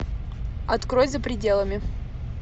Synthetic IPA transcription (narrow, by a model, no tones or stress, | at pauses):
ɐt̪kɾojʲzəpɾʲɪdʲelˠəmʲɪ